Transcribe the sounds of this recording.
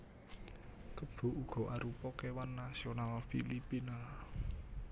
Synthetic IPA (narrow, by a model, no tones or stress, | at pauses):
kəb̥o̤ʔuɡ̥ɔ̤ʔaɾupɔkewanːasionalfḭlipina